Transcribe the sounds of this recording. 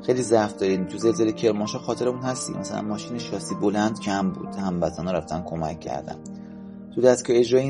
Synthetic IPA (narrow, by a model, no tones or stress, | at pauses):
xejlizæfd̪ɒːɾiːd̪t̪ʰuze̞lze̞lecʰe̞ɾmɒːʃɒːxɒːt̪ʰeɾemunhæst̪ḭmæ̰sælæ̰nmɒːʃiːneʃɒːsiːbo̞lænd̪cʰæmbṵːd̪̥hæmbæt̪ʰæːnɔɾæft̪ænkʰo̞mæ̰cʰːæ̰ɾd̪æ̰n | t̪ʰud̪æskɒje̞d͡ʒɾɒːji